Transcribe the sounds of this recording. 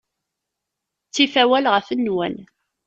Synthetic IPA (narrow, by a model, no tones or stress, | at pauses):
t͡sːifæwælʁəfənːwæ̰n